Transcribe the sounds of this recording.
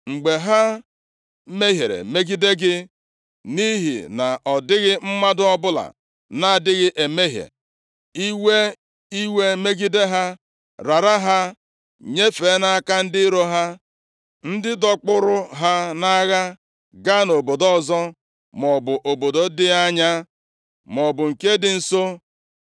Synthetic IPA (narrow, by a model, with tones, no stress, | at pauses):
ŋ͡m̩˨ɡ͡be˨ɦa˦ | me˦ɦje˨ɾḛ˨me˦ɡi˦de˦ɡɪ˦ | ni˦ɦḭ˨na˨ʔɔ˨dɪ˦ɣɪ˦m̩˦ma˦dʊ˦ɔ˦bʊ˦la̰˨ | na˦˨dɪ˦ɣɪ˦ʔe˨me˦ɦjḛ˨ | i˦we˦ | i˦we˦me˦ɡi˦de˦ɦa˦ | ɾa˨ɾa˦ɦa˦ | ɲe˦fe˨˦na˦a˦ka˦n̩˦dɪ˦ɾo˦ɦa˦ | n̩˦dɪ˦dɔ˦k͡pʊ˦ɾʊ˦ɦa˦na˦ɣa˦ | ɡa˦no˨bo˨dɔ˨zɔ˦ | mɔ˨bʊ˨ʔo˨bo˨do˦dɪ˦a˦ɲa˦ | mɔ˨bʊ˨ŋ̩˨ke˦dɪ˨n̩˨so˦